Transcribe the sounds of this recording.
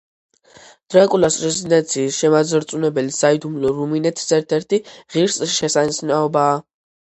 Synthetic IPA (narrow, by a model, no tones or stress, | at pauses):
d̪̥ɾakʼulasɾɛzid̪ɛnt̪sʰiːsʃɛmazɾt̪sʼunɛbɛlisaid̪umlɔɾuminɛt̪ʰi̥sɛɾt̪ʰɛɾt̪ʰiʁiɾsʃɛsanisnaɔbaː